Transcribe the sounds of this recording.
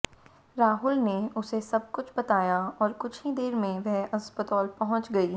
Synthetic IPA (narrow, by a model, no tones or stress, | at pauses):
ɾaːɦʊlneʊsesɐb̚kʊt͡ʃʰbɐt̪aːjaɔːɾkʊt͡ʃʰid̪eːɾmẽʋɛɦɐsbət̪ɔːlpɐɦʊ̃t͡ʃɡɐiː